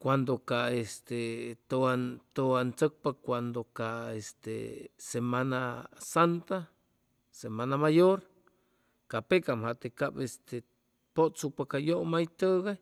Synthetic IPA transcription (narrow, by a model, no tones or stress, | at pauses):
kʷand̪okaest̪et̪oant̪oant͡sək̚pakʷand̪okaest̪ḛsemanasant̪a | semanamajoɾ | kapekamhat̪ekabest̪e | pot͡supakajoʔmajt̪əɣaj